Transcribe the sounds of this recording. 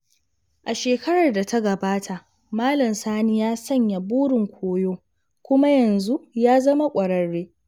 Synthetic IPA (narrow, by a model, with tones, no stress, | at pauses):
ʔa˨ʃeː˨kɐ˦ɽɐ˨rda˨tʰa˦ɡɐ˨baː˦tʰa˨ʔ | maː˦lɐ˨msaː˦ni˦jaː˦sɐ˦˨ɲja˨buː˦ɽɪ˨ŋkʷʰoː˦joː˦ | kʷʊ˦ma˦jɐ˨nzu˦jaː˦zɐ˦ma˦kʷʼɐ˨ɽɐ˨ɽːeː˦